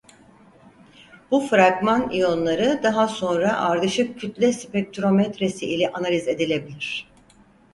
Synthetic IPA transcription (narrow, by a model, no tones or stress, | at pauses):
b̥ufɾaɡmanijo̞nlˠaɾɯd̪aɦaso̞nɾaʔaɾd̪ɯʃɯp̚cʰyt̪lʲɛsi̥pɛk̚t̪ʰyɾo̞mɛt̪ɾesiʔilʲɛʔanalʲize̞d̪ilʲe̞bilʲiɾ̝̥